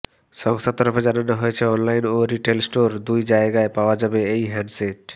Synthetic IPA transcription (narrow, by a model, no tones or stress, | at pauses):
ʃɔŋst̪at̪ːɔɾoped͡ʑananoɦojet͡ɕʰeɔnlajnoɾiʈelsʈoɾd̪ujd͡ʑaeɡaepaoad͡ʑabeejɦɛnɖseʈ